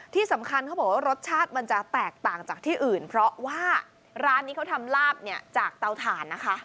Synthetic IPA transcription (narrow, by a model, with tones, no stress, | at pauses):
t̪ʰiː˥˩sa˩˦mkʰa˧nkʰa˦˥bɔː˨˩waː˥ɾo˦˥t̪̚t͡ɕʰaː˥˩t̪̚ma˧nt͡ɕa˨˩t̪ɛː˨˩k̚t̪aː˨˩ŋt͡ɕaː˨˩k̚t̪ʰiː˥˩ʔɯː˨˩npʰɾɔ˦˥waː˥˩ | ɾaː˦˥nːiː˦˥kʰa˦˥wt̪ʰa˧mlaː˥˩p̚ni˥˩ɐt͡ɕaː˨˩k̚t̪a˧wt̪ʰaː˨˩˦nːa˦˥kʰa˦˥ʔ